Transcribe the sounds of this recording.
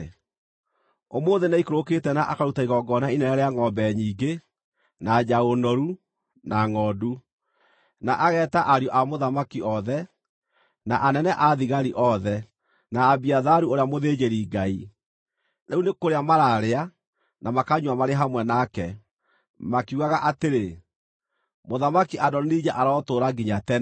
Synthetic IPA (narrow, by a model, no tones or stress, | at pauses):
omoːðenaikoɾoketɛnaʔakaɾutaiɣɔɡɔnainɛnɛɾeaŋɔmbɛɲiːɡe | nad͡ʑaɣonɔɾu | naŋɔːdu | naʔaɣɛːtaʔaɾiɔʔamoðamakiɔðɛ | naʔanɛnɛʔaðiɣaɾiʔɔðɛ | naːbiaðaɾuoɾeamoðeːd͡ʑeɾiːɡai | nɛunekoɾeamaɾaːɾea | namakaɲwamaɾeɦamwɛnakɛ | makuɣaɣaʔateɾe | moðamakiʔadɔnnid͡ʑaʔaɾɔːtoːɾaɡiɲatɛ